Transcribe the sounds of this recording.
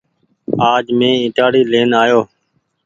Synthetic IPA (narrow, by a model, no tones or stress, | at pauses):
aːd͡ʒmẽːɪ̃ʈaːɽiːleːnaːjoː